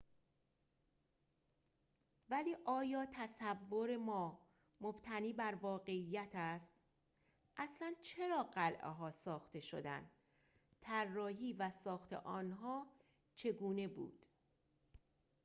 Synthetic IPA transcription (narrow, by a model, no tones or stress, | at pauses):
væliːʔɒːjɒːt̪ʰæsævːoɾe̞mɒː | mob̥t̪ʰæniːbæɾvɒːɣe̞ijːæt̪ʰæst̪ | ʔæslænt͡ʃʰe̞ɾɒːɢælʔḛɦɒːsɒːxt̪e̞ʃo̰d̪æ̰nd̪ | t̪ʰærːɒːɦiːvæsɒːxt̪ʰe̞̰ʔɒːnɦɒː | t͡ʃʰe̞ɡuːne̞bṵːd̪̥